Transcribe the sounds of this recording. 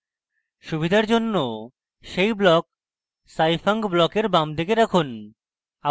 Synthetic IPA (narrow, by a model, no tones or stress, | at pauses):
ʃubid̪ʱaɾd͡ʑonːo | ʃejblɔk̚ | sajfaŋɡblɔkeɾbamd̪ek̬eɾakʰon | a